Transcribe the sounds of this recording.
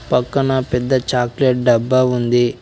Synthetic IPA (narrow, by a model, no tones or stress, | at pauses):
pɐkːɐnɐpɛd̪ːɐt͡ʃaːkleʈ̚ɖɐbːaːund̪i